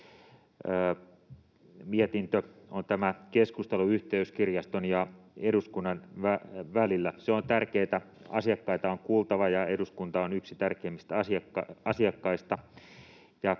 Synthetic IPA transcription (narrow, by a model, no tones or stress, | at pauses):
əː | miet̪int̪øont̪æmækeskust̪eluyht̪eyskirjɑst̪onjɑeɾuskunːɑnʋæʋælilːæseont̪ærkeːt̪æ | ɑ̰siɑkːɑit̪ɑoŋkuːlt̪ɑʋɑjɑeduskunt̪ɑonyksit̪ærkeːmist̪ɑsiɑkːɑɑsiɑkːɑist̪ɑ | jɑ